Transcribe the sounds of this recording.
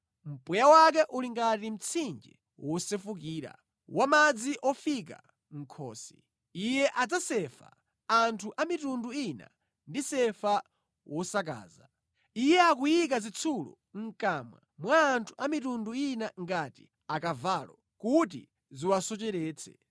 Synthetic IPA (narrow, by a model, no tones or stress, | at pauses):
m̩pujawak̬ɛʔuliŋɡatim̩t͡sʰind͡ʒɛ | wʔɔsɛfuk̬iːɾa̰ | wamad͡ziʔɔfik̬a̰ | ŋ̩kʰɔ̰ːsi | ijɛʔad͡zasɛfa̰ | antʰuʔamitunduina̰ | ndisɛfa | wʔɔsak̬a̰ːza | ijɛak̬ujik̬azit͡sʰulɔ̰ | ŋ̩kaːmwa̰mwaːntʰu̥amitunduinaŋɡati | akavalɔ | kut̬ḭ | ziwasɔt͡ʃɛɾɛːt͡sʰɛ̰